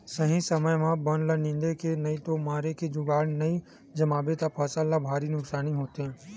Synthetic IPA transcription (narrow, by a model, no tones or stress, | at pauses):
sɐɦĩsəməjmãbənlənɪ̃nd̪ekenɐit̪omaːɾeked͡ʒʊɡaːɽnɐi | d͡ʒɐmaːbet̪apʰɐsəlːabʱaːɾinʊksaːniɦoːt̪eɦɛ̃ː